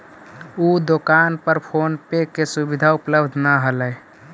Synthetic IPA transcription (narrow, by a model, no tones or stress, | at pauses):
ud̪okanpəɾpʰonpekːesubid̪ʱaupləbd̪ʱnaɦələj